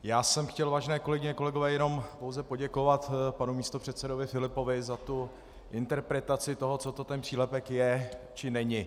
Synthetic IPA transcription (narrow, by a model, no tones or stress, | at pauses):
jaːsɛmxcɛlvaːʒɛnɛːko̞lɛɡɪɲɛko̞lɛɡo̞vɛːjɛno̞mpowzɛpo̞ɟɛko̞vat̪panumiːst̪opr̝̥ɛt̪sɛdo̞vɪfɪlɪpo̞vɪzat̪u | ʔɪnt̪ɛɾpɾɛt̪at͡sɪt̪o̞ɦo̞t͡so̞t̪o̞t̪ɛnpr̥iːlɛpɛkjɛt͡ʃɪnɛɲɪ